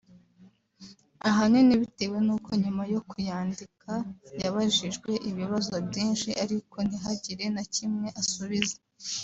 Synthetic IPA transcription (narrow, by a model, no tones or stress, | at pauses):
aɦaneniβite̞we̞nuːko̞ɲumajo̞kujaːndikʰajaβaʒiʒɡwe̞ʔiβiβazobɟiːnʃiʔaɾiko̞n̥iɦaɟiɾe̞nacimŋe̞ʔasuβize̥